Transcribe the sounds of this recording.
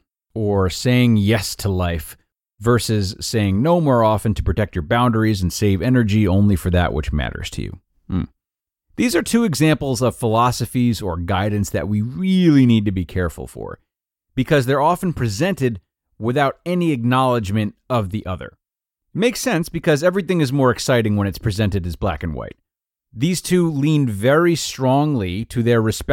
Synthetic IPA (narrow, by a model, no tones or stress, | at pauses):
ə˞seɪɪ̃ŋjɛstʰəlaɪf | vɜ˞sɨɪz̥seɪɪ̃ŋnoʊmɔɹɑfɨ̃ntʰɨpɹ̥ɨtʰɛk̚t͡ʃə˞bãʊ̃ndə˞iz̃n̩seɪvɛnə˞d͡ʒiõʊ̃nlifə˞ðɨ̰ʔwə̰t͡ʃmæ̰ɾə̰˞z̥tʰɨ̰jʉ̰ | m̩ | ðizə˞tʰʉɨɡzæ̃mpl̩ˠzʌv̥fəlɑsɨfizə˞ɡaɪdⁿn̩sðɨ̰ʔ̚wiɹɪlˠinid̚tɨbikʰɛɹfl̩ˠfə̰˞ | b̥ɨkʰʌzðə˞ɑfɨ̃n̩pʰɹ̥ɨzɛ̃ntɨd̚ | wɪθaʊɾɛniɨk̚nɑlˠəd͡ʒmɨ̃ntʌvðiʔʌðə̰˞ | meɪksɛ̃nsb̥ɨkʰʌzɛvɹiθɪ̃ŋɨzmɔɹɨksaɪɾɪ̃ŋwə̃ñɨtspʰɹ̥ɨzɛ̃ntɨɾɨzblæ̰kɨ̃n̩wa̰ɪt̪̚ | ðiz̥tʰʉlĩnvɛɹistɹ̥ɔ̃ŋliɾɨðə˞ɹɨspɛ